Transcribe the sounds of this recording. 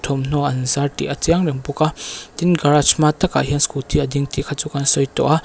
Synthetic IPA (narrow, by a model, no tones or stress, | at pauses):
tʰɔmn̥ɔʔɐnzaɾtḭʔɐt͡siaŋɾɛŋpukat̪inɡaɾat͡ʃʰmat̪ɐka̰ɦianskut̪iɐd̪iŋtikʰat͡sukansɔjtɔ̰ʔa